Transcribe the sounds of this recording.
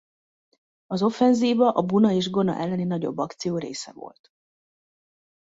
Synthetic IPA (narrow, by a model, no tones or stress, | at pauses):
ɒzo̞fɛnziːvɒʔɒbunɒeːʒɡo̞nɒ̰ʔɛlːɛninɒɟo̞̰bːɒkt̪sijoːɾḛːsɛ̰vo̞̰lt̪